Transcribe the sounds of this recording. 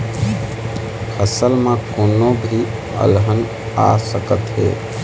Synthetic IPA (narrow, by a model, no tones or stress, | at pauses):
pʰəsəlmẽkonobʱi | ə̰lɦən | a̰səkət̪ɦḛ